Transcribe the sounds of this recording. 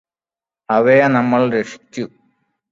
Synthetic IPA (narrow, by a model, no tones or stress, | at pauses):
ɐʋejɐnɐmːɐɭɾeʂi̥t͡ɕʲːu